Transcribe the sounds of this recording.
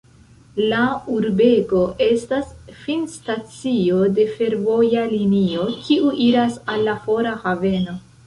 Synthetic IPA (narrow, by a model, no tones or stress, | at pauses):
lauɾbe̞ɡo̞ʔe̞stasfinstat͡sio̞de̞fe̞ɾvo̞jalinio̞kʰiʔuʔiɾasalːafo̞ɾahave̞no̞